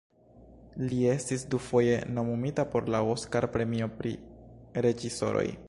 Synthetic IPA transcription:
lie̞stisdufo̞je̞no̞mumitapo̞ɾlaoskaɾpɾe̞mio̞pɾḭɾe̞d͡ʒiso̞̰ɾo̞̰j

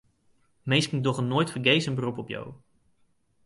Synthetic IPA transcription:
mejskɪŋdɔχənoːjtfəɹɡejsənbərupɔpja̰w

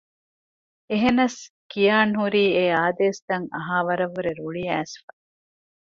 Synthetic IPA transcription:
eɦenɐs | kijaːnɦuɾiːeaːd̪eːst̪ɐŋɐ̰ɦaːʋɐɾɐʋuɾeɾuɭiæːsfɐ̥

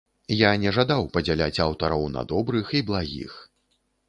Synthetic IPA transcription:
janʲɛʐad̪awpɐd͡zʲɛlʲat͡sʲawt̪ɐɾɔwnɐ̰d̪ɔbɾɨxiblˠaɣʲḭx

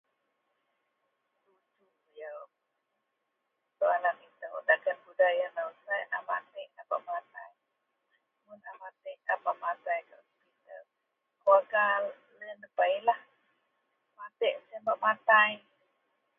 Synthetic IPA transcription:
ut͡ʃu | ja | t̪oalamit̪əwdakanbudajanausajʔa̰mat̪ɛʔapa̰ʔmat̪aj | munamat̪ɛʔapaʔmat̪ajka | pit̪ə | koaɡa | lənəpailah | mat̪ɛʔsəmbaʔmat̪aj

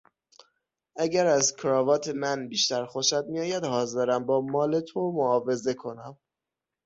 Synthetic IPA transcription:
ʔæɟæɾæzkʰɾɒːvɒːt̪ʰe̞mænbiːʃt̪æɾxoʃæd̪̚mijɒːjæd̪hɒːzeɾæmbɒːmɒːle̞t̪ʰomoɒːve̞ze̞kʰo̞næm

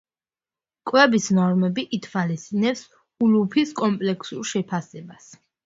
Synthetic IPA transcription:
kʼwɛbisnɔɾmɛbiʔit̪ʰwalist̪ʼinɛps | ulupʰiskʼɔmpʼlɛkʰsulˠʃɛpʰasɛbas

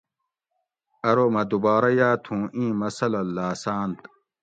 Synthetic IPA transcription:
ɐɾomɐd̪ubaːɾɐjaːt̪ʰũːʔĩːmɐsɐlɐlːaːsaːnt̪

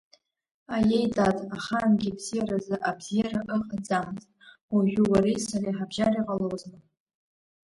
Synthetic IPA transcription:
ajejtʼatʼaχanɡʲibzijaɾazɨʔabz̥ijaɾaʔɨqʼad͡zamtʼ | waʒʲʷᶣʊwaɾisariħabʒariqʼalowzmɨ

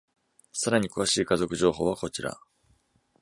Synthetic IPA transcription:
saɾaɲ̟ikɯ̟βaɕiːkazo̞kɯ̟ʑo̞ːɦo̞ːβako̞t͡ɕiɾa̰

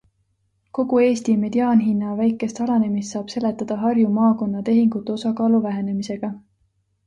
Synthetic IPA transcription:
ko̞ɡ̥ue̞ːst̪ime̞d̪̥iɑːnɦinːɑvæjkːˑe̞st̪ɑlɑne̞mist̪sɑːb̥se̞le̞t̪ːˑɑd̪̥ɑɦɑrjumɑːko̞nːɑt̪e̞ɦiŋɡ̥ut̪ːˑeo̞sɑkɑːluvæɦe̞ne̞mise̞ɡ̥ɑ

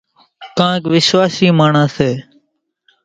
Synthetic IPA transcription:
kãːeːkʋɪsʋaːsiːmaːɳãːseː

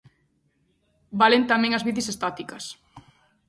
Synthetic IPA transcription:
balent̪amɛ̃ŋɐzβiθisest̪at̪ikɐs

